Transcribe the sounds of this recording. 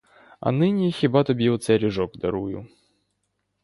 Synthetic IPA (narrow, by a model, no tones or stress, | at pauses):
ɐ̰nɪnʲixʲibat̪ɔbʲjiwt̪sʲɛɾʲɪʐɔkd̪ɐɾujʊ̰